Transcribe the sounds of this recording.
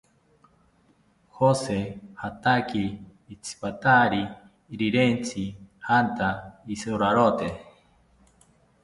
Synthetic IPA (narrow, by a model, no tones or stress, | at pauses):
hosehat̪akiː | t͡sʰi̥pat̪aɾiː | ɾiɾent͡sʰihant̪aisoɾaɾot̪e